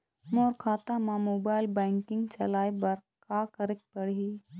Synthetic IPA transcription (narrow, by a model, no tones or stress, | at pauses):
moɾkʰaːt̪amãmobajlbãŋkiŋɡt͡ʃɐlaːjbəɾ | kakəɾek̚pəɽi